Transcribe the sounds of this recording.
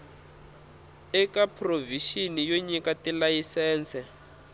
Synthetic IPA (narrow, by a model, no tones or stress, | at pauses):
ɛkapʰroviʃinijoɲikatilajisɛːnt͡sʰɛ